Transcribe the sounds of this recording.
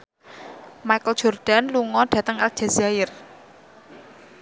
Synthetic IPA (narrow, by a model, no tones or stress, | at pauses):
majkəld̥ʒ̥ɔ̤rɖ̥a̤nluŋɔɖ̥ä̤t̪əŋal̥ʒ̥a̤zaɪr